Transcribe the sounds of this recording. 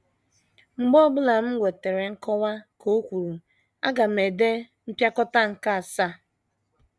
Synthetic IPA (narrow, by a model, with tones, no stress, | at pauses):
ŋ͡m̩˨ɡ͡bɔ˦ɡ͡bʊ˦la˨m̩˦ɡʷe˨te˨ɾe˨ŋ̩˦kɔ˦wa˦kʰo˦kʷu˨ɾu˨ | a̰˦ɡa˨me˨de˦ | m̩˦pja˦kɔ˦ta˦ŋ̩˨ka˦a˨sa˦˨